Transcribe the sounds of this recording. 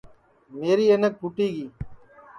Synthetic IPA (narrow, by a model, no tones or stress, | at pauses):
meːɾiːenək̚pʊʈiːɡiː